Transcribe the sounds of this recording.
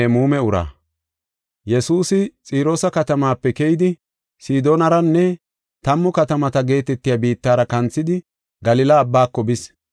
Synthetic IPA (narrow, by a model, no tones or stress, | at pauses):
muːmɛʊɾa̰ː | jɛsuːsɪt͡sʼiːɾo̞ːsɐkɐt̪ɐmaːpːɛkɛjɪd̪ɪ | siːd̪o̞ːnɐɾɐnːɛ | t̪ɐmːʊkɐt̪ɐmɐt̪ɐɡe̞ːt̪ɛt̪ːɪjabiːt̪ːaːɾɐkɐnt͡sːɪd̪ɪ | ɡɐlɪlɐːbːaːkːɔbɪs